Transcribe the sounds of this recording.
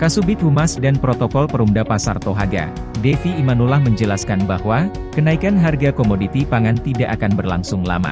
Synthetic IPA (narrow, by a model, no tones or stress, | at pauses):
kasubɪt̪̚humasdanpɾot̪ɔkɔlpəɾumdapasa̰rt̪oɦaɡa̰ | defiːmanulahməɲd͡ʒəlaskanbahwa | kənaikanɦarɡakomodit̪ipaŋant̪idaʔakanbərla̰ŋsʊŋla̰ma̰